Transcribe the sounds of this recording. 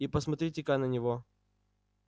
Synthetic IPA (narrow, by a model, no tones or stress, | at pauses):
ipəsmɐt̪ɾʲitʲɪkaknənʲɪvo